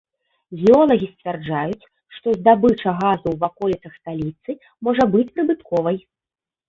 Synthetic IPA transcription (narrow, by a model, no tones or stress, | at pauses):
vʲiɔlˠɐɣʲisʲt͡sʲvʲɛrd͡ʐajut͡sʲ | ʂt̪ɔzd̪abɨt͡ʂɐɣazuwvakɔlʲit̪sɐxst̪alʲit̪sɨ | mɔʐɐbɨt͡sʲpɾɨbɨt̪kɔvɐj